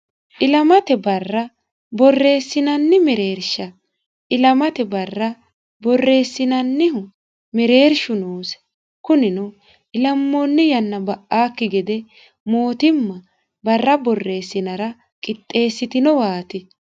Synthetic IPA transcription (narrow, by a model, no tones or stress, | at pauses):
ʔɪlɐmɐt̪ɛbɐrːɐ | bɔrːe̞ːsːɪnɐnːɪmɛɾe̞ːɾʃɐ | ʔɪlɐmɐt̪ɛbɐrːɐ | bɔrːe̞ːsːɪnɐnːɪɦʊ | mɛɾe̞ːɾʃʊnoːs | kʊnɪnʊ | ɪlɐmːonːɪjɐnːɐbɐʔaːkːɪɡɛd̪ɛ | moːt̪ɪmːɐ | bɐrːɐbɔrːe̞ːsːɪnɐɾɐ | kʼɪt̪ʼːe̞ːsːɪt̪ɪnɔwaːt̪ɪ